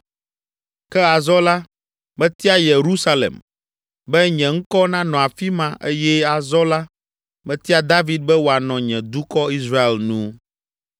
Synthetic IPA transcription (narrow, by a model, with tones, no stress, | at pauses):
kɛ˦a˨zɔ˦la˦ | bɛ˦t̪i˦a˦je˨ɾu˦sa˦lḛ˨m | bɛ˦ɲɛ̃˨ŋ̩˦kɔ˦nã˦nɔ̃˨a˨fi˦mã˦ʔe˦jɛ˦a˨zɔ˦la˦ | mɛ̃˦t̪i˦a˦d̪a˦vi˨d̪̚bɛ˦wo˨a˨nɔ̃˨ɲɛ̃˨d̪u˦kɔ˦i˦sɾa˦e˨lnũ˦